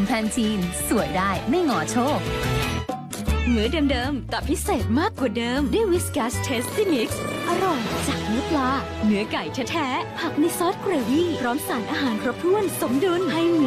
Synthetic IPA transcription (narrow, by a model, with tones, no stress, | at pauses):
pʰɛː˧nt̪ʰiː˧nsu˨˩əjdaː˥˩jma˥˩jŋɔː˨˩˦t͡ɕʰoː˥˩k̚ | nɯ˩˦ɐdəː˧mdɤː˧mt̪a˨˩pʰi˦˥seː˨˩t̪̚maː˥˩kːu˨˩dɤː˧mdəjwi˦˥skaː˦˥st̪ʰe˦˥ssi˥˩mi˦˥k̚sʔa˧ɾɔ˨˩jt͡ɕaː˨˩k̚nɯ˨˦ɐplaː˧ | nɯ˩˦ɐka˨˩jt͡ɕʰaː˧˥t̪ʰɛː˦˥ha˨˩k̚na˧jsɔ˦˥t̪̚kɾeː˧wiː˥˩pʰɾɔː˦˥msaː˩˦nʔaː˧ɦaː˩˦nkʰɾo˦˥p̚t̪ʰu˥˩ənso˨˩˦mdu˧nha˧˩j